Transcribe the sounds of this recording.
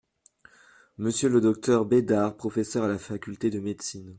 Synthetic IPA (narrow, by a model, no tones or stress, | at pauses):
məsjøləd̪ɔk̚t̪ʰœʁbed̪aʁpχɔfesœʁalafakʲylt̪ed̪əmed̪sin